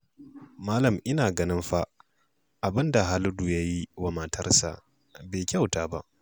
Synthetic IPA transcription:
maː˦lɐ˨mʔɪ˦naː˨ɡɐ˦nɪ˦mɸa˦ʔ | ʔa˨bɪ˦nda˨ɦa˦lʊ˦du˨ja˦ji˦wa˨maː˨tʰɐ˦rsa̰˨ʔ | beː˨kʲa˦˨wtaː˦ba˦ʔ

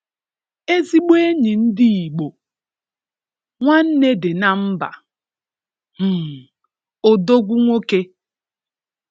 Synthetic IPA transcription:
e˦zi˦ɡ͡be˦e˦ɲi˨n̩˦di˦i˨ɡ͡bo˨ | ŋʷa˦n̩˦ne˦dɪ˨na˦m̩˦ba̰˨ | m̩˨ | o˨do˦ɡʷu˦ŋʷo˦ke˦

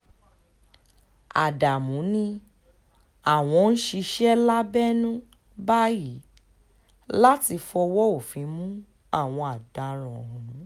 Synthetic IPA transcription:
a̰˨da˨mũ˨˦nĩ˧ | a˦˨w̃ɔ̃˧n̩˦ʃi˧ʃɛ˦la˦bɛ˦nũ˦ | ba˦ji˨˦ | la˦ti˧fɔ˧wɔ˦o˦˨fĩ˨˦mũ˦ | a˦˨w̃ɔ̃˧a˨da˨ɾ̃ɔ̃˨˦

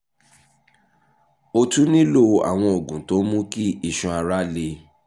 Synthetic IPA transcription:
o˧tũ˦nĩ˦lo˦˧˨a̰˨w̃ɔ̃˧o˨ɡũ˨˦to˨˦mũ˦ki˦i˨ʃɔ̃˧a˧ɾa˦le˧

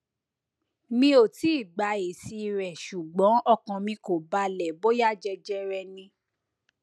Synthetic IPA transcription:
mĩ˦o˨ti˨˦i˦˨ɡ͡ba˨˧e˨si˧ɾɛ˨ʃu˨ɡ͡bɔ̃˨˦ɔ˦˨kã˨mĩ˧ko˨ba˧˦lɛ˨bo˦ja˦˨d͡ʒɛ˧d͡ʒɛ˧ɾɛ˧nĩ˧

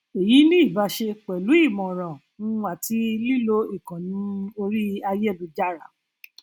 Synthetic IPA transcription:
e˨ji˨˦nĩ˦i˦˨ba˨˦ʃe˧k͡pɛ˨lu˨˦i˦˨mɔ̃˨ɾ̃ã˨ | n̩˦˧˦a˨ti˨˦li˦lo˦i˦˨kã˨nĩ˨˦o˧ɾi˦a˧je˦˨bu˧d͡ʒa˦˨ɾa˨

